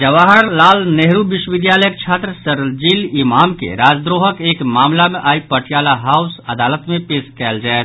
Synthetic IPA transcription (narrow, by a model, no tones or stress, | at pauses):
d͡ʒɐʋaːɦəɾlaːlneɦɾuʋɪʃwəʋɪd̪jaːləjəkt͡ʃʰaːt̪ɾəsɐɾəld͡ʒiːlɪmaːmkḛɾaːd͡ʒd̪ɾoːɦəkeːkmaːmlamẽʔaːipɐʈʰjaːlaɦaːʊsɐd̪aːlət̪mẽpeːʃkɛːld͡ʒaːet̪